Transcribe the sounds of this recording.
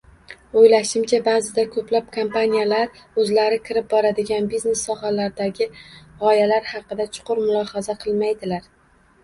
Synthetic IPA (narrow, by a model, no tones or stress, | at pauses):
ojlaʃɪmt͡ʃʰabazɪd̪akʰɵplap̚kʰompanijalaɾ | ɵzlaɾɪkʲʰɪɾɪp̚bɒɾad̪ɪɡʲanbizne̞sːɒhalaɾɪd̪aɡʲɪʁɒjalaɾhɑqɨd̪at͡ʃʰʊ̥qʰʊɾmʊlˠɒhazaqʰɨlˠmajd̪ɪlaɾ